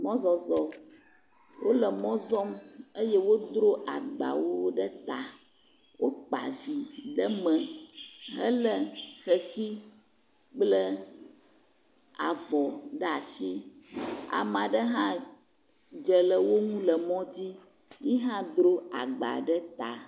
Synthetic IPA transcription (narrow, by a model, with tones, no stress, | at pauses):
mɔ̃˦zɔ˨zɔ˨ | wʔo˦lə˨mɔ̃˦zɔ˦mə˦jɛ˦wo˦d̪ɾo˦ʔa̰˨ɡ͡ba̰˨wo˦ɖə˦t̪a˨ | wo˦k͡pa̰˨vi˨ɖə˦mə̃˨ɦə̰˦lə˦xə˨xi˦ | k͡plə˦ | a˨vɔ˨ɖə˦a˨ʃi˦ | a̰˨m˨ã˨ɖə˦ɦã˦ | d͡ʒə˨lə˨wo˦ŋũ˦lə˨mɔ̃˦d͡ʑi˦ | ɲi˦ɦã˦d̪ɾo˦a̰˨ɡ͡ba̰˨ɖə˦t̪a˨